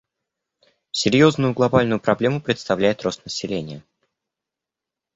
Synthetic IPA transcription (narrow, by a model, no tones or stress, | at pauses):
sʲɪɾʲjo̞znʊjʊɡlˠɐbalʲnʊjʊpɾɐblʲe̞mʊpɾʲɪt̪st̪ɐvlʲæjɪt̪ro̞st̪nəsʲɪlʲenʲɪjə